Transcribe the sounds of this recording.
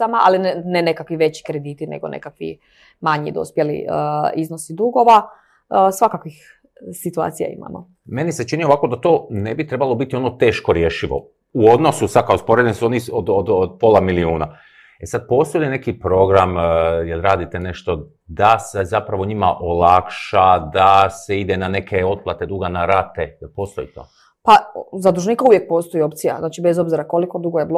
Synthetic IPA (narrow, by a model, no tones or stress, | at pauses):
amaalinnenekakʋiʋe̞t͡ɕi̥kɾe̞d̪iːt̪inḛɡo̰nʔḛkakʋḭ | maɲḭd̪ospjelḭəiznosid̪uɡo̞ʋa | sʋakakʋix | sit̪ua̰t̪sija̰ḭma̰mo̰ | me̞nise̞t͡ʃinio̞ʋako̞d̪at̪o̞ːne̞bit̪ɾebalˠo̞bit̪iono̞t̪e̞ːʃko̞ɾje̞ʃiʋo̰ | uo̞d̪no̞susad̪̚kaospo̞ɾe̞d̪ensuo̞niod̪od̪od̪̚polˠamiliuːna | e̞sad̪̚po̞ːst̪o̞jline̞kipɾo̞ɡɾamjelɾaːd̪it̪ene̞ʃt̪o̞ | d̪ase̞zapɾaʋo̞ɲima̰ʔo̞lakʃad̪ase̞id̪enane̞kʰe̞o̞d̪̚plˠat̪e̞d̪uɡanaɾat̪e̞jelpo̞ːst̪o̞jḭt̪o̞̰ː | pazad̪ɾuʒniːkauʋjek̚poːst̪oio̞pt̪sija̰znaːt͡ʃibezo̞bziɾako̞likod̪uɡojeblˠo